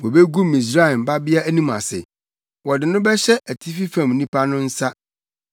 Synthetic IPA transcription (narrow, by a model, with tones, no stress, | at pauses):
wɔ˨be˦ɡu˦mĩ˨s̬ɾa˦˨mba˦bɪ˦a˦æ˦nĩ˦ma̰˨sɪ̰˨ | wɔ˨dɪ˨nʊ̃˦bɛ˦ɕɛ˦ʔæ˨tʰi˦fi˦fã˨mnĩ˦pa˦nʊ̃˦n̩˦sa˦